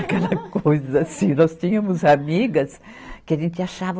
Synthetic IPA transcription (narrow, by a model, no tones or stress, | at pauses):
akɛlɐkojzɐasĩnɔst͡ʃĩɲɐmʊzamiɡɐs | kɪaʒẽnt͡ʃ̪ɪaʃavɐ